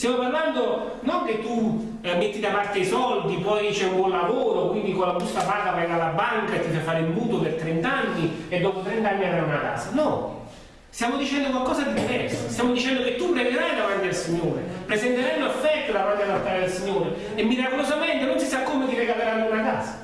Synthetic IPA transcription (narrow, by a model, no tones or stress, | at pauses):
st̪jamoparland̪o | noŋk̟et̪ːu | met̪ːid̪apart̪eaisɔld̪ipɔjt͡ʃɛumbwɔnlavoːɾokwind̪ikolːabust̪apaːk̪apɾɛɡalabːaŋkaet̪ːifafaːɾeumbuːt̪opert̪ɾɛnt̪anːied̪ːɔpot̪ɾɛnt̪anːiaɾajunaka̰ːsanɔ | st̪jamod̪it͡ʃɛnd̪okwalkɔːzad̪id̪ivɛrsost̪jamod̪it͡ʃɛnd̪ok̟et̪ːupɾeɡeɾajd̪amant̪id̪elsiɲːoːɾepɾezɛnt̪eɾajnoafːɛt̪ːod̪amant̪ialalt̪aːɾed̪elsiɲːoːɾe | emːiɾakolozament̪enonsisakːoːmet̪ipɛɡapeɾaɾːaunaka̰ːsḁ